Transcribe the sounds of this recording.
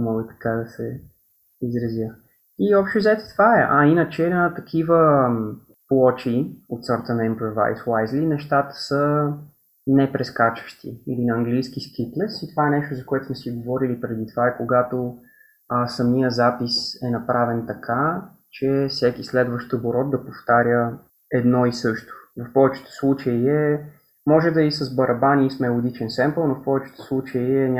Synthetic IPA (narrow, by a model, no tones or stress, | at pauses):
mɔɡət̪ɐ̥kad̪ɐsɛ | izɾɐzjə | iɔpʃt̪ɛzɛt̪ɛ̥t̪vaɛʔainət͡ʃɛnət̪ɐkʰivə | plˠɔt͡ʃiot̪səɾt̪ənɐimpɾova̰jswajzlinɛʃt̪at̪ə̥sə | nɛpɾɛskat͡ʃə̥ʃt̪ḭilinɐɐŋɡlijskiskip̪lɛsit̪ovaɛnɛʃt̪ozɐkoɛt̪ʊ̥smɛsiɡovɔɾilipɾɛd̪it̪ovaɛkoɡat̪o | sɐmijəzapisɛnɐpɾavɛnt̪ɐkʰa | t͡ʃɛfsɛkislɛd̪vəʃt̪əboɾɔt̪̚d̪ɐpoft̪aɾʲjə | ɛd̪nɔisɤʃt̪o̥vɐfpɔvɛt͡ʃɛ̥t̪o̥slˠut͡ʃəiɛ | mɔʒɛd̪ɐisəzbɐɾʔɐbanʲiismɛlˠod̪it͡ʃɛnsɛmpəlˠnofpɔvɛt͡ʃɛ̥t̪ɛ̥slˠut͡ʃəiɛnʲ